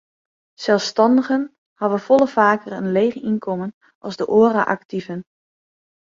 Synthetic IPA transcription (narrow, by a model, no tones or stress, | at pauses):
sɛlˠfstɑndəɣən | hɑʋəfɔlˠəfaːkərənleːχəinkʰɔmən | ʔɑlˠzdəʔoəraʔaktivən